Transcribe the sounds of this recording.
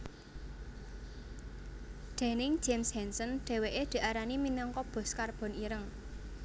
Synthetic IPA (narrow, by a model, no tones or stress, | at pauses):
ɖ̪̥e̤nɪŋd͡ʒ̥emshɛnsənɖ̪̥e̤weʔed̪̥i̤ʔaɾaniminɔŋkɔb̥ɔ̤skarb̥ɔ̤niɾəŋ